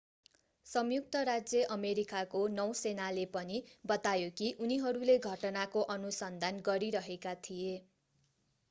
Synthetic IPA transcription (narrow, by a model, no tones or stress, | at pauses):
sʌmjuk̚t̪ʌɾad͡zjʌʔʌmeɾikakonʌw̃senalepʌnibʌt̪ajokiʔuniɦʌɾuleɡʱʌʈʌnakoʔʌnusʌnd̪ʱanɡʌɾiɾʌɦekat̪ʰije